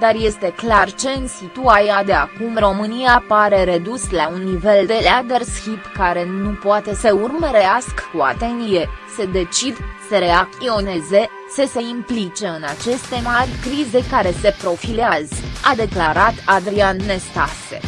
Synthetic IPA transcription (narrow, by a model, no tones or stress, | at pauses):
d̪arje̞st̪e̞klart͡ʃe̞ɨnsit̪uajad̪e̞akumro̞mɨniapaɾe̞ɾe̞d̪uslaunːive̞ld̪e̞lad̪e̞rskʲipkaɾe̞nupoat̪e̞səurməɾeaskə̥kua̰t̪e̞nt̪ije̞se̞d̪e̞t͡ʃid̪seɾe̞ak̚t̪io̞ne̞ze̞ | səse̞implit͡ʃe̞ɨnat͡ʃe̞st̪e̞marʲkɾize̞kaɾe̞se̞pɾo̞fileazəad̪e̞klaɾat̪ad̪ɾianːe̞st̪asḛ